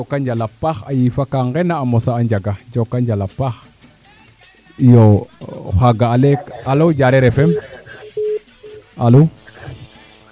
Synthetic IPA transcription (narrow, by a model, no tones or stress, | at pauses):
d͡ʒokːaɲd͡ʒalapaxa̰jifakaŋɡɛnaːmɔsaːɲd͡ʒaɡad͡ʒokːaɲd͡ʒalapax | joxaɡaalekalod͡ʒaɾɛɾɛfɛm | alo